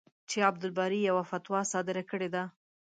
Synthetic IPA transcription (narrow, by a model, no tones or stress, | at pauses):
t͡ʃeab̚d̪ʊlbɑɾijawafat̪wɑsɑd̪ɪɾakəɽed̪a